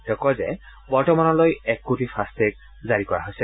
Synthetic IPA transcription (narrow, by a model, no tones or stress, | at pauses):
tɔkɔzɛ | bɔɹtɔmanɔlojɛkːotipʰastɛk̚ | zaɹikɔɹa̰ɦojsɛ